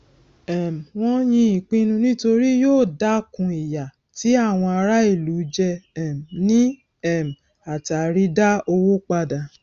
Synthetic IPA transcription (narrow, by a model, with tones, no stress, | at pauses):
ɛ˨m̩˨w̃ɔ̃˦jĩ˧i˨k͡pĩ˧nũ˧nĩ˦to˧ɾi˦joː˦˨da˦kũ˧i˨ja˨ | ti˨˦a˦˨w̃ɔ̃˧a˧ɾa˦i˦˨lu˨˦d͡ʒɛ˧ɛ˨m˨nĩ˦ | ɛ˦˨m̩˨ | a˨ta˨ɾi˦da˦o˧wo˦k͡pa˧da˨